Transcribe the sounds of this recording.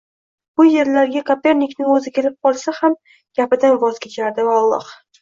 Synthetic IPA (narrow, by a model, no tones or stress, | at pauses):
b̥ʊje̞ɾlaɾɡʲakʰapʲe̞ɾnikʲnɪŋɵzɪkʲe̞lɪp̚qʰɒlˠsaham | ɡ̥ʲapɪd̪anvɒz̥kʲʰet͡ʃʰaɾd̪ɪvaɒlˠːɒ̰h